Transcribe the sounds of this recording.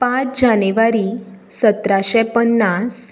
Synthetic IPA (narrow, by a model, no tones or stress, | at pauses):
pãt͡sd͡ʑaneʋaɾi | sət̪ɾaɕɛ̃pənːas